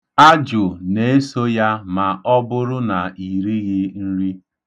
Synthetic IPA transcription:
a˦d͡ʒʊ˨ne˨e˦so˦ja˦ma˨ɔ˦bʊ˦ɾʊ˦na˨i˨ɾi˦ɣɪ˦n̩˦ɾi˦

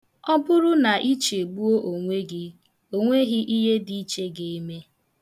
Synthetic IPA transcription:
ɔ˦bʊ˦ɾʊ˦na˨ʔi˦t͡ʃe˨ɡ͡bu˦o˦ʔo˨ŋʷe˦ɡɪ˦ | o˦ŋʷe˦ɦɪ˦ʔi˦ɦe˦di˨i˦t͡ʃe˦ɡe˨i˦me˦

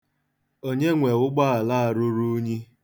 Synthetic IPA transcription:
o˦ɲe˦ŋʷe˨ʊ˦ɡ͡ba˦a˨la˦a˨ɾʊ˦ɾu˦ɲi˦

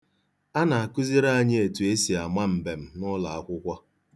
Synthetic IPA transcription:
a˦na˨a˨kʊ˦zi˦ɾa˦a˨ɲɪ˦e˨tu˨e˦si˨a˨ma˦m̩˨be˨m̩˦nʊ˦la˨a˦kʷʊ˦kʷɔ˦

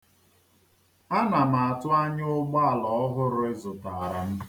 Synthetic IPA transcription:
a˦na˨m̩a˨a˨tʊ˦a˦ɲ˦ʊ˦ɡ͡ba˦a˨lɔ˨ɔ˦ɦʊ˦ɾʊ˦e˦zʊ˨ta˨ɾa˨m̩˦

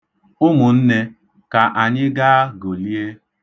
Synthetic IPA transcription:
ʊ˦mʊ˨n̩˦ne˦ | ka˨ʔa˨ɲɪ˦ɡa˦a˦ɡo˨li˦e˦

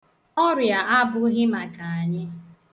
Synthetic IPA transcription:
ɔ˦ɾja˨ʔa˦bʊ˦ɦɪ˦ma˨ka˨a˨ɲɪ˦

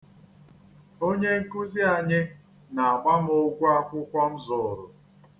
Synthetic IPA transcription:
o˦ɲe˦ŋ̩˦ku˦zi˦a˨ɲɪ˦ | na˨a˨ɡ͡ba˦m˦ʊ˦ɡʷu˦a˦kʷʊ˦kʷɔ˦n̩˦zʊ˨ɾʊ̰˨

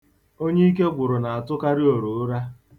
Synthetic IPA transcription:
o˦ɲe˦i˦k̬e˦ɡʷʊ˨ɾʊ˨na˨a˨tʊ˦ka˦ɾɪ˦o˨ɾo˨ʊ˦ɾa˦

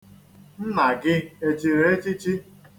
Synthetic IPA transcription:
n̩˦na˨ɡɪ˦e˨t͡ʃi˨ɾe˨˦e˦t͡ʃɪ˦t͡ʃi˦

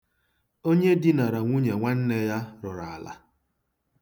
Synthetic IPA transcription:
o˦ɲe˦dɪ˦na˨ɾa˨ŋʷu˦ɲe˨ŋʷa˦n̩˦ne˦ja˦ɾʊ˨ɾa˨a˨la̰˨

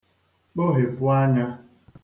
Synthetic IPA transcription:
k͡po˦ɦe˨pʊ˦a˦ɲa˦

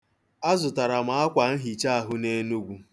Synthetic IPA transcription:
a˦zʊ˨ta˨ɾa˨ma˨a˦kʷa˨n̩˦ɦi˨t͡ʃa˦a˨ɦʊ˦ne˦nu˦ɡʷu˨

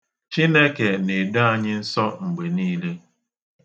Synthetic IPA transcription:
t͡ʃi˦ne˦ke˨ne˨dʊ˦a˨ɲɪ˦n̩˦sɔ˦ŋ͡m̩˨ɡ͡be˨niː˦le˦

